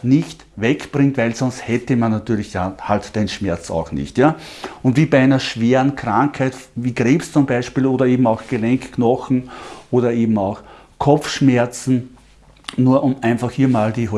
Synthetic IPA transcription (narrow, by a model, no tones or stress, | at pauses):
nɪçt | vɛkb̥ʁɪŋtvæɪlsɔnsthɛtəmanːatyːɐlɪçtahaltd̥enʃmɛɐt͡sa̰ʊxnɪ̰çtjaːʊntv̥iːbæɪæɪnɐʃv̥eːʁənkʁ̥ãŋkhæɪtviːɡ̥ʁeːpst͡sʊmbæɪʃpiːloːdɐeːbm̩ɑʊxɡ̥elɛŋkkːnɔxn̩ʔoːɾɐeːbm̩ɑʊx | kʰɔp͡fʃmɛɐt͡sn̩ | nuːɐʔʊmæ̃ɪnfaxhiːɐmaːld̥iːɦɔ